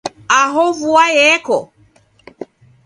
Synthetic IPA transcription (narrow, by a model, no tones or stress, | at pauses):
aɦɔvuajɛkɔ